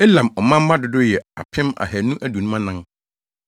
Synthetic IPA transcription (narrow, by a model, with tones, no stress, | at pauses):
e˦lã˨mɔ˨mã˦m˦ba˦dʊ˨dʊ˦jɛ˨a̰˨pʰɪ̃˦ma̰˨hæ˨nũ˦ʔæ˦˨du˨nũ˦ã˦nã˦n